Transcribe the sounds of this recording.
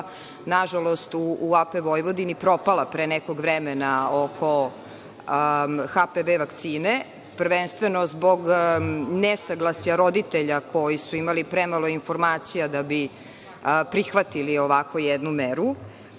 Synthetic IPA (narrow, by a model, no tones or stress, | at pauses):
naʒalˠo̞st̪uːapeʋo̞jʋo̞d̪inipɾo̞palˠapɾeːnekoɡʋɾɛmenaokʰo̞ | xapeʋeʋakt̪siːne | prɾʋenst̪ʋeno̞zbo̞ɡ | nesaɡlˠasjaɾo̞d̪it̪eʎakʰo̞jisuimalipɾemalˠo̞infoɾmaːt̪sijad̪abi | pɾixʋat̪ilio̞ʋako̞jɛd̪numeɾu